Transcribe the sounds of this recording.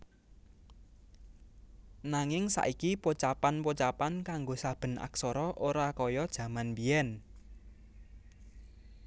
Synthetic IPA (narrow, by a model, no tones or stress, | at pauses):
naŋɪŋsa̰ʔikipot͡ʃapanpot͡ʃapankaŋɡosab̥ə̤nʔa̰ksɔɾɔʔoɾakɔjɔd̥ʒ̥ä̤manbiɛn